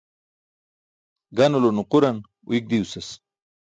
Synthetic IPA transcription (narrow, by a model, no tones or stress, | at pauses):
ɡanulonuquɾan | ṵik̚d̪iusɐs